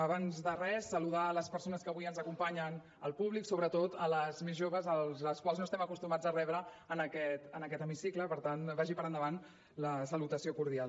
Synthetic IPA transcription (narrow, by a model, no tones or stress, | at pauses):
əβanzðərɛsːəluðaləspəɾsonəskəβujənzəkumpaɲən | əlˠpuβliksoβɾət̪ot̪ələzmezʒoβəzəlˠzləskwalˠznoəst̪ɛməkust̪umad͡zərɛβɾəː | nəkɛt̪ənəkɛt̪əmisikləpəɾt̪anbaʒipəɾənd̪əβan | ləsəlut̪əsiokuɾðial